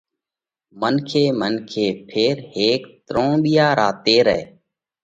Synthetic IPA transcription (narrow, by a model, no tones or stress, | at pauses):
mənkʰeːmənkʰeːpʰeːɾheːkt̪ɾõːɓijaːɾaːt̪eːɾɛ̰eː